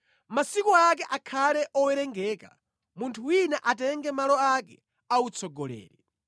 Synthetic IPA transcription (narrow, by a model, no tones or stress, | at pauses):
masikɔak̬ɛʔakʰalɛʔɔwɛɾɛŋɡɛːka̰ | muntʰuwinɛʔatɛŋɡɛmalɔakɛ | aut͡sʰɔɡɔlɛ̰ːɾɛ